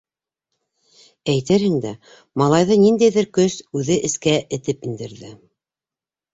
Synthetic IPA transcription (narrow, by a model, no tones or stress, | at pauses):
æjt̪ɘɾhɘ̆ŋd̪æ | mɑlˠɑjðɤnind̪æjðɘɾkɵsʉðɘʔɘ̆skæʔɘ̆t̪ɘpind̪ɘ̆ɾðɘ